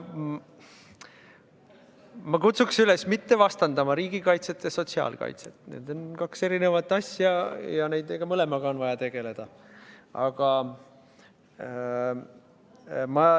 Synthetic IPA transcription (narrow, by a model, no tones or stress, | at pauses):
mɑkut̪suksylesmit̪ːe̞vɑst̪ɑnd̪ɑmɑɾiːɡ̥ikɑjt̪se̞t̪ːjɑso̞t̪siɑ̰ːlkɑ̰jt̪se̥t̪ːˑnḛd̪̥o̞nkɑkse̞ɾinevɑt̪ːˑɑsʲjɑjɑne̞jd̪eɡ̥ɑmɤle̞mɑɡ̥ɑonvɑjɑt̪e̞ɡ̥e̞le̞d̪̥ɑ | ɑ̰ɡ̥ɑ | mɑ